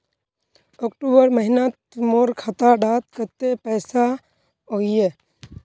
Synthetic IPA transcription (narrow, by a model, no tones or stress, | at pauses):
oːkʈoːbəɾməɦɪnat̪moːɾkʰat̪aɖaːt̪kət̪epɛːsa | oɪjeː